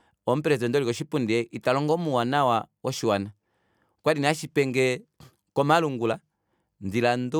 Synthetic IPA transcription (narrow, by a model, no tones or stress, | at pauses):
ɔm̩pɛɾɛzɛndɔlikɔʃipundiɛʔitalɔŋɡɔmuwanawawɔʃiwana | kwadiniaʃipɛŋɡɛ | kɔmaluŋɡula | ndilandu